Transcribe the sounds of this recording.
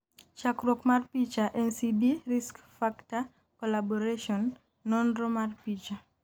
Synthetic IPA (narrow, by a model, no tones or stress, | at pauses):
t͡ʃakɾɔkmarpit͡ʃaʔɛnsibiɾiskfakta | kɔlabɔɾeʃɔnː | ɔndɾɔmarpit͡ʃa